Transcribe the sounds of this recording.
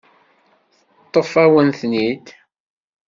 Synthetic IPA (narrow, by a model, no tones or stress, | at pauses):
θət̪ˤːofæwənθnid̪